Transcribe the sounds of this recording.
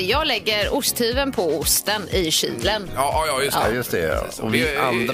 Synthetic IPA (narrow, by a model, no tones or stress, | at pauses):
jɑːɡlɛɡːəɾʊst̪hʉːvənpʰɔʊst̪ənɪɕḭːlən | jɵst̪ɛ̰ɔ̰vɪand̪ɾ